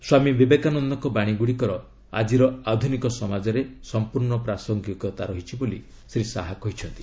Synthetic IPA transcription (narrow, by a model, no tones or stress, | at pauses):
swamibibekanɔnd̪ɔkɔbaɽ̃iɡuɽikɔɾɔ | a̰d͡ʒiɾɔad̪ʱunikɔsɔmad͡ʒɔɾesɔmpuɾɳɔpɾasɔŋɡikɔt̪aɾɔɦit͡ʃʰiboli | sɾisaɦakɔɦit͡ʃʰɔnt̪i̥